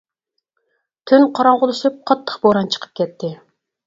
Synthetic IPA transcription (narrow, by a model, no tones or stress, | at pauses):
t̪ʰynqʰɑɾɑɴʁʊlˠɨʃɨp̚qʰɑt̪ʰːə̥χboɾɑnt͡ʃʰə̥qʰə̥p̚kʲɛt̪ʰːɪ